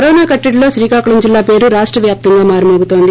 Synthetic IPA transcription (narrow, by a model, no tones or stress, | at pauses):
ɐɾɔːnaːkɐʈːɐɽlo̞ːʃɾiːkaːkuɭɐmd͡ʒilːaːpe̞ːɾuɾaːʂʈɾɐʋjaːp̚t̪ɐŋɡaːmaːɾɐmoːɡut̪o̞ːnd̪i